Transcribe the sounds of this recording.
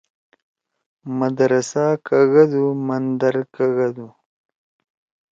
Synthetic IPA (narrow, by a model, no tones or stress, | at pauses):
mad̪ɾasakaɣad̪umand̪aɾkaɣad̪u